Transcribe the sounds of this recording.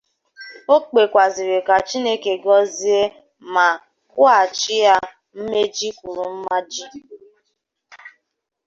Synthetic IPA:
o˦k͡pe˨kʷa˨zi˨ɾe˨ka˨t͡ʃi˦ne˦ke˨ɡɔ˦zi˦e˦ | ma˨ | ka˦˨t͡ʃɪ˦ja˦ | m̩˦me˦d͡ʒi˦kʷu˨ɾu˨m̩˦ma˦d͡ʒi˦

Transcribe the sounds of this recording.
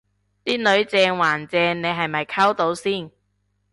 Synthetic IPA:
t̪iː˥nɵ˨˧ɥt͡sɛː˧ŋwaː˨˩nt͡sɛː˧ŋne˨˧jɦɐ˨jmɐ˨jkʰɐ˥wt̪o˨˥wsiː˥˩n

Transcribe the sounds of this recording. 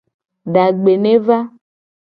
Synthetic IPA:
ɖa˨ɡ͡be˨nẽ˦va˦

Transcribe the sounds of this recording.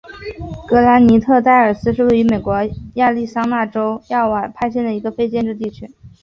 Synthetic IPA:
kɤ˧˥la˧˥nni˧˥t̪ʰɤ˥˧t̪a˥˩ɪə˞˨˩sɹ̩˥ʂɻ̩˥˧we˥˩ɪy˧˥me˨˩ɪkwɔ˧˥ja˥˧li˥˩sɑ˥ŋna˥˩ʈ͡ʂo˥ʊja˥˩wa˥˩pʰa˥ɪɕjɛ˥˩nd̪ə˩i˧˥ɡə˧fe˥˧ɪt͡ɕjɛ˥˧nʈ͡ʂɻ̩˥˧t̪i˥˩t͡ɕʰy˥

